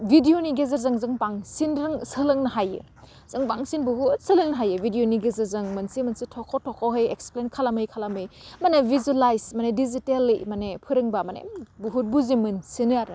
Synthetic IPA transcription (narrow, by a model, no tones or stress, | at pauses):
bʱidioniɡezɐɾzɐŋzɐŋpaŋsinɾɯŋsɯlɯŋnɐɦajɯ̰ | z̥ɐŋpaŋsinbuɦut̚sɐlɯŋnɐɦajɯbʱidijoniɡezɐɾzɯŋmɐnsimɐnsitʰokʰotʰɔkʰoɦɯjeksplenkʰalamɯjkʰalamɯjmɐnebʱizuelajsmɐnedizitelːimɐnepʰɯɾɯŋbamanḛbuɦut̚buzimɯnsinɯjaɾ